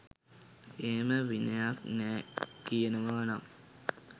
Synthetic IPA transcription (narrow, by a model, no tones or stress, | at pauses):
eːməʋinəjak̚nɛːkijənəʋaːnam